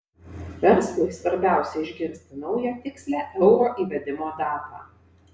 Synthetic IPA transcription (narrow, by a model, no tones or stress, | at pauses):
ʋʲɛɾslˠʊɪsʋɐɾʲbʲæˑʊsʲɛɪʒʲɡʲɪnʲsʲt̪ʲɪnɒʊjɛt̪ʲɪksʲlʲæːʔɛʊɾoːʔiːʋʲɛd̪ʲɪmoːd̪ɑːɾbɑ̰ː